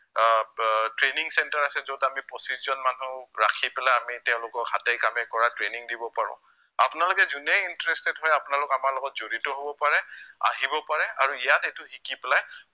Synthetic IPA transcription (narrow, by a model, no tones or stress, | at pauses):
tɹeniŋsɛntaɹasɛzodamipɹosiszɔnmanuɹakʰipɛlajamitɛʊ̃lʊkɔkhatejkamɛkɔɹatɹeniŋdibɔpaɹʊ̰̃ | apʊnalʊkɛzunɛintɹɛstɛtɦɔjapʊnalʊkamaɹlɔɡɔtzoɹitɔɦobɔpaɹɛa̰ɦibɔpaɹɛaɹuijatetʊhikipɛlaj